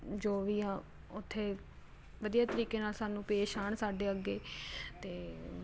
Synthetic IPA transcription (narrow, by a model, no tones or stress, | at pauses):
d͡ʒoːʋiːaː | ʊt̪ʰːeː | ʋəd̪iːjaːt̪əɾiːkeːnaːlsaːnũːpeːʃaːɳsaːɖeːəɡːeːt̪eː